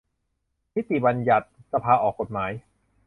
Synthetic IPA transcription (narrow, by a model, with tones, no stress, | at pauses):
mi˦˥t̪i˨˩ba˧nja˨˩t̪̚sa˧pʰaː˧ʔɔː˨˩kːo˨˩t̪̚maː˩˦j